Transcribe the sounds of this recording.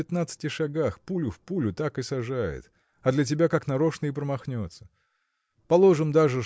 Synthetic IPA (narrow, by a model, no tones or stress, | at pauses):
ɪt̪nat̪sɨ̥tʲɪʂɐɡaxpulʲʊfpulʲʊt̪akɨsɐʐajɪ̰t̪ | ɐd̪lʲɐt̬ʲɪbʲakaknɐɾo̞ʂnəɪpɾəmɐxnʲot̪sə̥ | pɐlˠo̞ʐɨmd̪aʐɨ